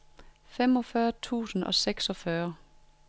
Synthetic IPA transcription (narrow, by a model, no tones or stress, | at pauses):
fem̰ɒ̽fɶːɐt͡sʰṵːsn̩ɒ̽seɡ̥sɒ̽fɶɐ